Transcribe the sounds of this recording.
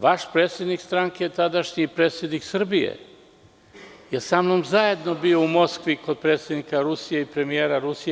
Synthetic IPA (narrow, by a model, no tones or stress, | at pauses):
ʋaʃpɾe̞ːt̪sʲje̞d̪nikst̪ɾaŋkejet̪ad̪aʃɲipɾe̞ːt̪sʲje̞d̪niksr̩bijḛ | jesamno̞mzaje̞d̪no̞bio̞umo̞skʋiko̞d̪̚pɾe̞t̪sʲje̞d̪nikaɾusije̞ipɾe̞mijeːɾaɾusije